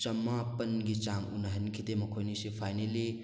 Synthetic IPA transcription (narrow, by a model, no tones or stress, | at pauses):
t͡ʃɐmapɐnɡit͡ʃaŋṵnɐɦɐnkʰid̪emɐkʰojnisipʰajneli